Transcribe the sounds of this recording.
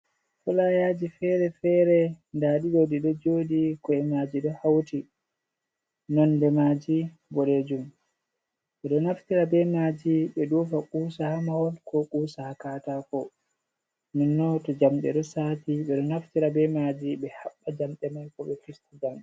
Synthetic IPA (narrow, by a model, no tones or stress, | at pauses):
fɔlajad͡ʒifɛɾɛfɛɾɛndaɗiɗodiɗɔd͡ʒodikɔɛmad͡ʒiɗɔhawti | nɔndɛmad͡ʒi | bɔɗed͡ʒum | ɓɛɗɔnaftiɾabɛmad͡ʒiɓɛɗɔfakuːsahamawɔlkɔkʼuːsahakaːtafɔ | minːɔtɔd͡ʒamɗɛ̰ɗɔsaːtiɓɛɗɔnaftiɾabɛmad͡ʒiɓɛhaɓːad͡ʒamɗɛmajkɔɓɛkistud͡ʒamɗɛ